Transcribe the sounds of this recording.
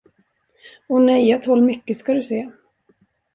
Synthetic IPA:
ɔnɛjat̪hɔlːmʏkːəskad̪ɵseː

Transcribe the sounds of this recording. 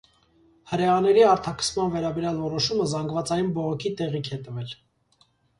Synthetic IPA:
həɾɛɑnɛɾiɑɾt̪ʰɑkʰə̥smɑnvɛɾɑbɛɾjɑlvɔɾɔʃuməzɑŋɡvɑt͡sɑjunbɔʁɔkʰit̪ɛʁikʰɛt̪əvɛl

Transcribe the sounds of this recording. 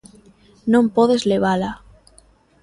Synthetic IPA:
nõmpoðezleβ̞ala

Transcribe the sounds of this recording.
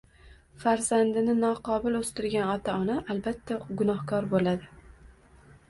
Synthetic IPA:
faɾz̥and̪ɪnɪnɒqʰɒbɪlɵst̪ɪɾɡʲanɒt̪ʰaɒnaʔalbat̪ʰːaɡʊnɒhkʰɒɾbolad̪ɪ

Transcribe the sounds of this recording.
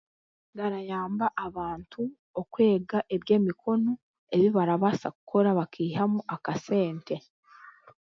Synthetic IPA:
ɡaɾajaːmbaʔaβaːntʰu | okwe̞ːɡaʔe̞βje̞ːmikʰo̞no̞ | e̞βiβaɾaβasa̰ku̥kʰo̞ɾaβakʰiːhamuʔakase̞ːnte̞

